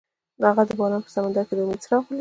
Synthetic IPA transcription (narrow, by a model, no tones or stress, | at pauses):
aɣad̪əbɑɾɑnpə̥samand̪aɾked̪əʊmed̪sɾɑxli